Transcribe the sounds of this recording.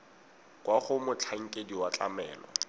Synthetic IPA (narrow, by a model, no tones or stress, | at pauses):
kʼwaχʊmʊt͡ɬʰaŋ̩kʼediwat͡ɬʼa̰mɛːlɔ̰